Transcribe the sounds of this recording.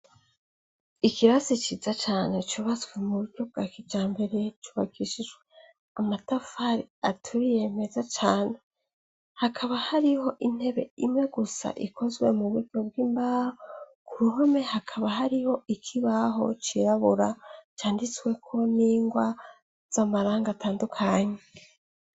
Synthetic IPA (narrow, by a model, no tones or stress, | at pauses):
ikiβazit͡ʃizat͡ʃaːne̞t͡ʃuβazwe̞muβuɾɟo̞b̚ɡaːkivd͡ʒaːmbe̞ɾe̞t͡ʃuːβakʰiʃid͡ʒwe̞ | amatafaɾiatʰuɾije̞me̞zat͡ʃaːne̞ | hakʰaβahaɾiho̞ʔin̥he̞βe̞̰imŋe̞ɡusa̰ʔikʰo̞zɡwe̞̰muβuɾɟo̞bɡiːmbahokuɾuɦome̞hakʰaβaɦaɾiho̞ʔikʰiβaɦo̞̰t͡ʃiɾaβuɾat͡ʃaːndit͡swe̞kʰo̞niːŋɡwa | z̥amaɾaːŋɡatʰaːndukʰaɲe̞